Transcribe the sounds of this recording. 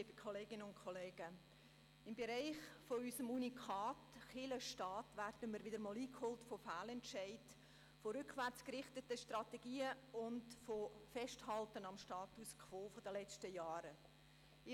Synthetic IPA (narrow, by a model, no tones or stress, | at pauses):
iːb̥əkχɔleːɡ̥ɪnəʊntkʰɔleːɡ̥ə | ɪmbɛɾaɪχfoysəmunikχɑːtχɪləʃtɑːtvʋærdəmiːɾʋɪdəɾmɔːliːkhoːltfofaːlɛntʃaɪd | foɾʏkχʋæɾt͡skrɪχtətəʃtrɑtɛɡ̥iːəʊndfofɛʃthɑltənɑmʃtɑːtuskʰʋoːfodəlɛt͡stəjɑːɾə | ɪ